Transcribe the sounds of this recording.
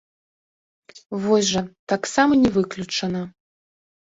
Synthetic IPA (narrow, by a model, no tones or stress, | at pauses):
vɔsʲʐɐt̪aksamɐnʲɛvɨklʲut͡ʂɐnɐ